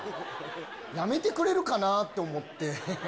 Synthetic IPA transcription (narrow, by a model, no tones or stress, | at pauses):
jame̞t̪e̞kɯ̟ɾe̞ɾɯ̟kanat̪ːe̞omo̞t̪ːe̞